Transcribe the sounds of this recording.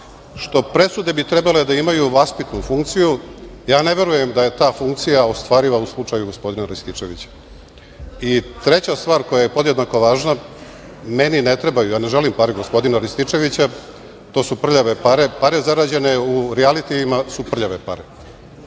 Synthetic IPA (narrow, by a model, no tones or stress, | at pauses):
ʃt̪o̞pɾe̞sud̪e̞bit̪ɾe̞bale̞d̪aimajuʋaspit̪nufuŋkt̪sijujaːne̞ʋe̞ɾuje̞md̪aje̞t̪aːfuŋkt̪sijaost̪ʋaːɾiʋauslˠut͡ʂajuɡo̞spo̞d̪inaɾist̪it͡ʂe̞ʋit͡ɕḁ | it̪ɾe̞t͡ɕast̪ʋaːɾko̞jaje̞po̞d̪jed̪nako̞ʋaːʒna | meninet̪ɾe̞bajujaːne̞ʒelimpaɾiɡo̞spo̞d̪inaɾist̪it͡ʂe̞ʋit͡ɕa | t̪oːsupr̩ʎaʋe̞paɾe̞paɾe̞zaɾaːd͡ʑe̞ne̞uɾɛalit̪iːmasupr̩ʎaʋe̞paɾe